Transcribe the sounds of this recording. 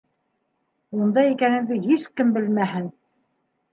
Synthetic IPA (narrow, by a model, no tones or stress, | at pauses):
und̪ɑikænɘ̆nd̪ɘɦiʃkɘmbɘ̆lmæɦɘn